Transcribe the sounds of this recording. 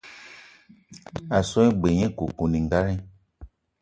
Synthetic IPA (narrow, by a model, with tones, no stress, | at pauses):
a˨sɔ˦ĩ˦ɡ͡be˨ɲɛ̃˦ko˨ku˨nĩ˨ŋ˨ɡa˦ɾĩ˦